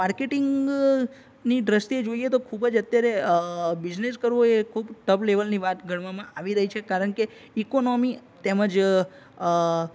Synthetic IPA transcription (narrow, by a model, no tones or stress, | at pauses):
maɾkeʈɪŋɡ | niɖɾəst̪ied͡ʒoiet̪okʰubəd͡ʒət̪jaɾebɪd͡ʒneskəɾʋoekʰubʈəbleʋəlniʋat̪ɡʱəɽ̃ʋamãʔaʋiɾəɦit͡ʃʰekaɾəɳke | ikonomit̪eməd͡ʒ